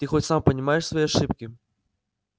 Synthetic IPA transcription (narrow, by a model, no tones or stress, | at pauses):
t̪ɨxɔt͡sʲsampɐnʲimajɛʂsvɐjiaʂɨpkʲi